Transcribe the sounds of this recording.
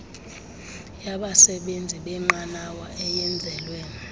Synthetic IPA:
jaɓasɛɓend͡zʱiɓɛŋ͡ǃanawaʔɛjɛnd͡zʱɛːlwɛ

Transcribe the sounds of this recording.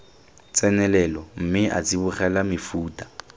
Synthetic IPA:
t͡sʼɛnɛlɛlɔm̩mɪʔa̰t͡sʼibʊχɛlamɪfuːtʼḁ

